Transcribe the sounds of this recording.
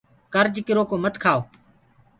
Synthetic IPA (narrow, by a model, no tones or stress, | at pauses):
kəɾd͡ʒkɪɾoːkoːmət̪kʰaːoː